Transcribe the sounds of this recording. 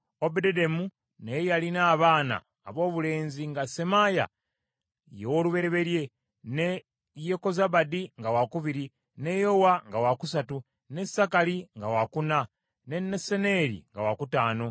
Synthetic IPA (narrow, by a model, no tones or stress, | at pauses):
obededemu | najejalinaːβaːna̰ːβo̞ːβule̞ːnziŋɡasemaja̰ | jewoluβe̞ɾe̞βe̞ɾje̞ | ne | jeko̞zaβadiŋɡawakuβiɾi | ne̞jo̞waŋɡawakusatu | ne̞sakaliŋɡawakuna | ne̞nːesene̞ɾḭŋɡawakutaːno̞